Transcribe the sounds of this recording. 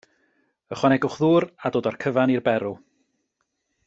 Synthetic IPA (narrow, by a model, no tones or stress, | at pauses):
əχwanɛɡʊχðuːɾadoːdarkʰəvanirbɛɾʊ